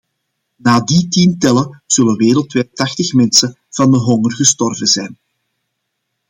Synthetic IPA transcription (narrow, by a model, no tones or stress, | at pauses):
naːditintɛləz̥ɵləʋeːɾəlˠtʋɛjtɑxtəxmɛnsə | v̥ɑndəɦɔŋərɣəstɔrvənzɛjn